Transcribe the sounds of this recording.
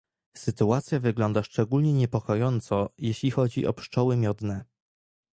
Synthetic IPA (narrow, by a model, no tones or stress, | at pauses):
sɘt̪uat̪sʲjavɘɡlɔnd̪aʂt͡ʂɛɡulɲɛɲɛpɔkɔjɔnt̪sɔjeɕlʲixɔd͡ʑḭʔɔ̰pʂt͡ʂɔwɘmʲjɔd̪nɛ